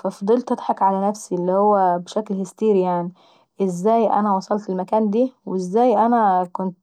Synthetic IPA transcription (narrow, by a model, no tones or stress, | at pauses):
fæfid̪ˤelt̪ʔæd̪ħɑkʕalænæfsielːihowːæbeʃæklhest̪iːɾijaʕni | ʔezːæːjʔæ̰næwɑsˤɑlt̪elmækæːnd̪iːwezːæːjʔænækʊnt̪̚